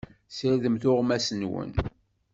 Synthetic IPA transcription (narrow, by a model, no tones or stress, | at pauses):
səɾðəmθʊʁmæsənwə̰n